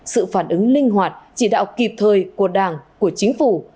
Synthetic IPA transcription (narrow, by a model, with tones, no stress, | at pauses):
sɨ̰˧˨faː˧˩nʔɨ˨˦ŋlï˧ŋ̟ɦwaː˨˩t̚t͡ɕi˧˩ɗa̰ː˧˨wki˨˩p̚t̪ʰəː˨˩jku˧˩əɗaː˧˩ŋku˧˩ət͡ɕi˨˦ŋ̟fu˧˩